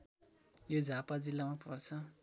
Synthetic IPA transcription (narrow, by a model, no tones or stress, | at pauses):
jod͡zʱapad͡zilːamapʰʌrt͡sʰʌ